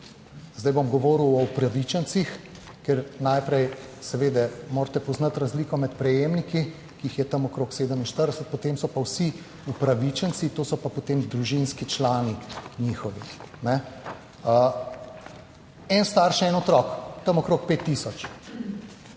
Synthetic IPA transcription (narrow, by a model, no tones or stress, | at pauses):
zd̪ɐjbomɡɔʋoːɾuwɔupɾaʋit͡ʃɛnt͡s̪six | kɛɾnajpɾɛjsɛʋeːd̪ɛmoːɾt̪ɛpɔznɐt̪ɾazliːkɔmɛt̪pɾɛjemniki | kiːxjɛt̪ɐmɔkɾoːkseːd̪əminʃt̪əɾd̪ɛsɛt̪̚pot̪eːmsɔpawsi | upɾaʋit͡ʃənsit̪oːsɔpapot̪eːmd̪ɾuʒinskit͡ʃlaːniɲiːxɔʋinɛ | ə | ɛnst̪aɾʃɛɛnɔt̪ɾɔkt̪ɐmɔkɾoːk̚peːt̪ːiːsɔt͡ʃ